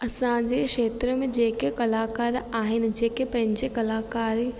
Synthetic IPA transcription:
ɐsãd͡ʑeʃeːt̪ɾəmẽd͡ʑeːkekɐlaːkaːɾaːɦɪnɪ̆d͡ʑeːkepɐ̃ɦɪ̃ɲd͡ʑekɐlaːkaːɾi

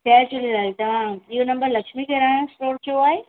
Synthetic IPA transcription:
kɛsʊlilaːlt̪ɐʋ̤ãionɐ̃mbəɾlɐkʃmikʰeɾãːõsʈoːɾt͡ɕoaːɦeː

